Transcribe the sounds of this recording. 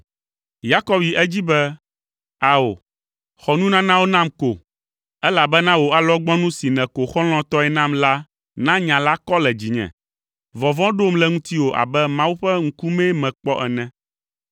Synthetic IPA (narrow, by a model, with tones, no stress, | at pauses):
ja˦kɔ˦bji˨ʔɛ˦d͡ʑi˦bɛ˦ | a˨o˨ | xɔ˨nũ˦nã˦nã˦wo˦nã˦mko˨ | ɛ˦la˨bɛ˦nã˦wo˨a˦lɔ˦ɡ͡bɔ̃˦nũ˦si˨nɛ̃˨ko˨xɔ˦l̃ɔ̃˦t̪ɔ˦ɛ˨nã˦mla˦ | nã˦ɲã˨la˦kɔ˦lɛ˨d͡ʑi˨ɲɛ̰̃˨ | vɔ˨vɔ̃˦ɖo˦mlɛ˨ŋũ˦t̪i˦wo˨ʔa̰˨bɛ˦mã˦wu˦ɸɛ˦ŋ̩˦ku˦mɛ̃˦mɛ̃˨k͡pɔ˦ʔɛ˨nɛ̃˦˨